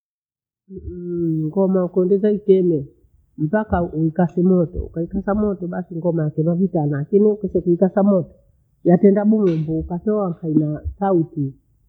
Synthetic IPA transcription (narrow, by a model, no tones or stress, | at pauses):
ŋɡɔmaukɔndɛzaikɛmɛ | m̩pakauikasɛmɔtɔ̰ṵkaikasamɔtɔɓasiŋɡɔmajakɛmavitanalakiniukɛsɛkuikasamɔtɔ̥ | jatɛndaɓuŋumbuːkatɔwaŋkainasauti